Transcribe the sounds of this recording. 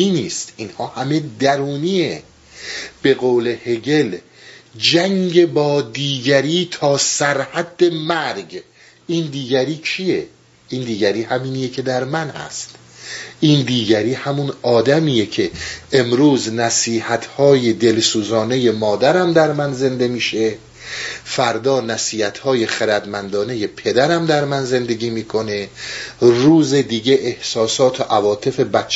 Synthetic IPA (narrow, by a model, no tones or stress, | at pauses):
iniːst̪inhɒːhæme̞d̪æɾuːniːe | b̥e̞ɣoːle̞he̞ɟe̞l | d͡ʒæŋɟebɒːd̪iːɟæɾiːt̪ʰɒːsæɾhæd̪ːe̞mæɾɟ | ʔiːnd̪iːɟæɾiːt͡ʃʰije̞ | ʔind̪iːɟæɾiːhæmiːnijecʰe̞d̪æɾmænhæ̰st̪ | ʔiːnd̪iːɟæɾiːhæmunɒːd̪æmiːjecʰe̞ʔemɾuːznæsiːhæt̪ʰhɒːjed̪e̞lsuːzɒːne̞je̞mɒːd̪æɾæmd̪æɾmænze̞nd̪e̞miːʃe̞ | fæɾd̪ɒːnæsiːhæt̪ʰhɒːje̞χeɾæd̪mænd̪ɒːne̞je̞pʰe̞d̪æɾæmd̪æɾmænze̞nd̪e̞ɡiːmiːkʰo̞ne | ruːzed̪iːɟe̞ʔːhsɒːsɒːt̪ʰoʔævɒːt̪ʰe̞fe̞bæt͡ʃʰː